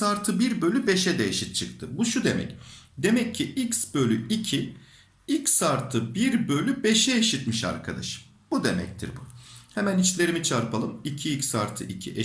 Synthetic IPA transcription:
saɾt̪ʰɯbiɾbø̞lʲybe̞ʃɛd̪ɛeʃit̪̚t͡ʃʰɯk̚t̪ʰɯbuʃud̪e̞mɛ̰cd̪e̞mɛcʰːiʔicsbø̞lʲyicʰi | icsaɾt̪ʰɯbiɾbø̞lʲybeʃɛeʃit̪miʃa̰ɾkʰad̪a̰ʃɯ̥m | b̥ud̪e̞mɛ̰c̚t̪ʰḭɾbuhɛmænit͡ʃlʲe̞ɾimit͡ʃʰaɾpʰalˠɯmicʰiicsaɾt̪ʰɯʔicʰḭʔe

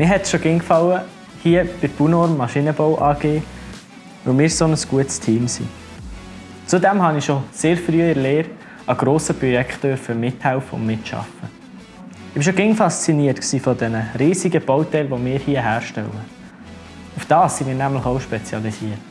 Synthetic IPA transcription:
mɪɦɛtʃoɡɪŋkfɑwə | hiəb̥ɪtpunoːɾmmːɑʃinəbɔwʔɑːɡ̥eː | vɵlmɪːɾsonəsɡ̥uətstʰiːmsḭ | t͡sudæmhɑniʃoseːɾfɾyəɪɾleːɾ | ɑɡɾoːsəpɾɔjɛkχt̚d̥øɾfəmɪthælfəʊ̰nmɪtʃɑ̰fə | ɪb̥iʃoɡɪŋfɑst͡siniətksiːfɔdɛnəɾiːsiɡəb̥ɔʊt̪ɛlʋɔmɪːɾhiəɦæːɾʃtɛ̰wə | ʊfd̥ɑːsːimɪːnæmləχoʊʃpɛt͡sjɑlisiət

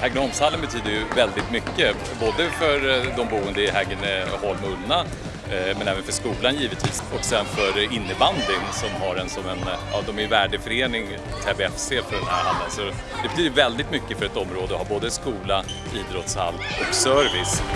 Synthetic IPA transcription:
hɛɡ̪əhɔlmshalːənbɛt̪ʰyːd̪əɾjɵvɛld̪ɪt̪mʏkːə | boːd̪əfœɾd̪ɔmbuːənd̪əɪɦɛɡənhɔlmɵnːa | mɛnɛːvənfœʂkuːlanjiːvət̪viːsɔksɛnfœɾɪnːəband̪lɪŋsɔmɦaɾɛnsɔmɛnɑ̰d̪ɔmæjvæːɖəfœɾeːnɪŋ | t̪ʰɛbɛfseːfœɖɛnhæ̰ɾha̰nd̪ənsɔ | d̪ɛbɛt̪ʰyːd̪əvɛld̪ɪt̪mʏkːəfœɾɛt̪ɔmːɾoːd̪əɔhaɾboːd̪əskuːla | iːd̪ɾɔt̪sha̰lːɔksœːɾvɪs

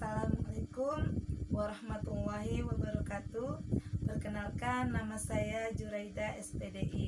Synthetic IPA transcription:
salamalekumwaɾɑhmat̪alːaɦiwabəɾɔkat̪ubərkənalkanːamasajad͡ʒuɾaidaʔɛspɛdeʔi

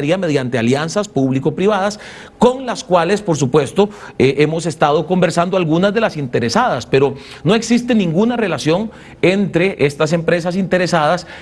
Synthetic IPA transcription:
ɾiame̞ð̞jant̪ealjansaspuβlikopɾiβaðas | ko̞ŋlaskwale̞spo̞ɾs̬upwe̞st̪o | ʔe̞mo̞se̞st̪að̞o̞ko̞mbe̞ɾsand̪oalɣunazðe̞lasint̪e̞ɾesaðaspe̞ɾo̞ | no̞e̞ksist̪e̞nĩŋɡunare̞lasjo̞ŋ | ent̪ɾe̞ʔest̪as̬e̞mpɾe̞s̬as̬int̪e̞ɾe̞saðas

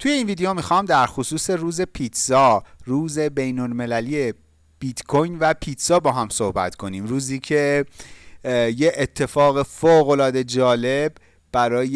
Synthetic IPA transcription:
t̪ʰuje̞iːnviːd̪ejo̞mixɒːmd̪æɾxosuːse̞ruːze̞pʰit̪sɒːruːze̞bejnolme̞læliːe | b̥it̪kʰojnvæpʰiːt̪sɒːbɒːɦæmso̞hbæ̰t̪kʰo̞niːmɾuːziːcʰe̞ | jeet̪ʰːe̞fɒːɣe̞foːɣo̞lɒːd̪e̞d͡ʒɒːle̞b | b̥æɾɒːj

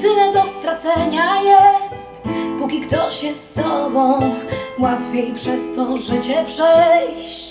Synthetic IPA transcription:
d̪ɘnɛd̪ɔst̪ɾat̪sɛɲajɛsst̪pukʲikt̪ɔɕɛsːt̪ɔbɔ̃w̃wat̪fʲjejpʂɛst̪ɔʐɘt͡ɕɛpʂɛjɕ | t͡ɕ

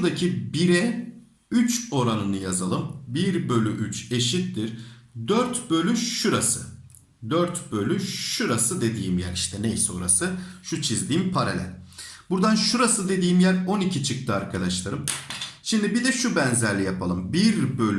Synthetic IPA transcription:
d̪acʰibiɾɛ | yt͡ʃo̞ɾanɯnɯjazalˠɯmbiɾbø̞lʲyʔyt͡ʃe̞ʃit̪ːiɾ̥d̪øɾt̪bø̞lʲyʃuɾasɯ | d̪øɾt̪bø̞lʲyʃuɾasɯd̪e̞d̪iːmjæ̰ɾiʃt̪ʰɛnḛjsɛo̞̰ɾa̰sɯʃut͡ʃʰizd̪iːmpʰaɾalʲæ̰lʲbuɾd̪anʃuɾasɯd̪e̞d̪iːmjæɾo̞nicʰit͡ʃʰɯk̚t̪ʰɯaɾkʰad̪aʃlˠaɾɯmʃimd̪ibid̪ɛʃubænzæɾlʲijapʰalˠɯmbiɾbø̞lʲ

